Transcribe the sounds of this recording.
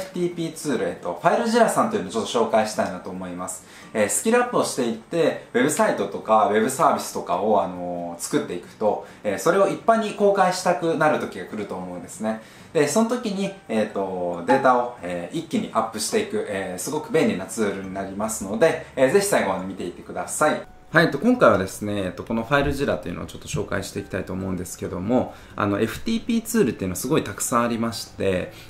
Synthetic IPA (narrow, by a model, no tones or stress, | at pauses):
ɸɯ̟̥t̪iːpʲiːt͡sɨːɾɯet̪ːo̞̰ɸaiɾɯ̟ʑiɾasãnt̪oiɯ̟not͡ɕo̞t̪ːoɕo̞ːkaiɕi̥t̪ainat̪o̞ːmo̞imasɨ̥ | eːsɨ̥kʲiɾɯ̟apːɯo̞ɕi̥t̪e̞it̪ːe̞βe̞bɯ̟sait̪o̞t̪o̞kaβe̞bɯ̟saːbʲisɨ̥t̪o̞ka̰o̞ano̞t͡sɨ̥kɯ̟t̪ːe̞ikɯ̟̥t̪o̞eːso̞ɾe̞o̞ipːaɲ̟iko̞ːkaiɕi̥t̪akɯ̟naɾɯ̟t̪o̞kʲiɡakɯ̟ɾɯ̟t̪o̞ːmo̞ɯ̟nd̪e̞sɨne̞ | d̪̥e̞so̞not̪o̞kʲiɲ̟ieːt̪ːo̞d̪e̞ːt̪ao̞eːʔikʲːiɲ̟ḭʔapːɯ̟ɕi̥t̪e̞ikɯ̟ʔeːsɨɡo̞kɯ̟bẽ̞ːnʲɾʲinːat͡sɨːɾɯ̟ɲ̟inaɾʲimasɨno̞d̪e̞ze̞çi̥saiɡo̞anomʲit̪e̞it̪e̞kɯ̟d̪asai | haiet̪ːokõ̞ŋkaiβad̪e̞sɨne̞ːt̪ːo̞ko̞no̞ɸaiɾɯ̟ʑiɾat̪ːe̞iɯ̟no̰ːt͡ɕo̞t̪ːo̞ɕo̞ːka̰iɕi̥t̪e̞ikʲi̥t̪ait̪o̞ːmo̞ɯ̟̃nd̪e̞sɨ̥ke̞d̪o̞mo̞ | a̰no̞ʔe̞ɸɯ̟̥t̪ʲiːpʲiːt͡sɨːɾɯ̟t̪ːeiɯ̟no̞asɨɡo̞it̪akɯ̟̥sãɰ̃aɾʲimaɕi̥t̪e̞